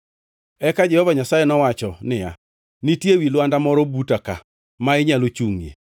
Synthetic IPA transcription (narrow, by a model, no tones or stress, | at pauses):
ɛkad͡ʒɛhɔvaɲasajenɔwat͡ʃɔnɪja̰ | nitjewilwandamɔɾɔbutaka̰ | maɪɲalot͡ʃuŋjḛ